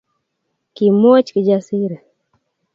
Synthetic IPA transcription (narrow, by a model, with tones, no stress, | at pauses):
kimɔ˦t͡ʃki˨d͡ʒasiɾa˨